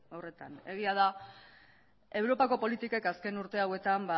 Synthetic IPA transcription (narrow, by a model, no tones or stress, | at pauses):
are̞t̪a̰ne̞ɣiað̞a | e̞wɾo̞pako̞po̞lit̪ike̞kaske̞nuɾt̪e̞awe̞t̪amba